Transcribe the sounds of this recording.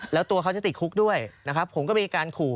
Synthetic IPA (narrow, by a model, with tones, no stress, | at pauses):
lɛː˦˥wt̪u˧ɐkʰa˦˥wt͡ɕa˨˩t̪i˨˩kʰu˦˥k̚du˥˩əjna˦˥kʰɾa˦˥pʰo˩˦mkɔː˥˩miː˧kaː˧nkʰuː˨˩